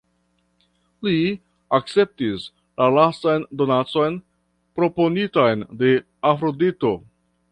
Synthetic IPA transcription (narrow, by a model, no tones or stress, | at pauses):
li | ak̚t͡se̞p̚tis | lalastajndo̞nat͡so̞jn | pɾo̞po̞nitajnde̞ | afɾo̞dito̞